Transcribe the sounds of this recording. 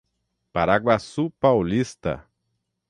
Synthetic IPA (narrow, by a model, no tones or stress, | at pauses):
paɾaɡwasupawlist̪ɐ̰